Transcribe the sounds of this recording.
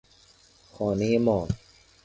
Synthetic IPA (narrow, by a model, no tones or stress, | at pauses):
kʰɔːniːmɔːŋ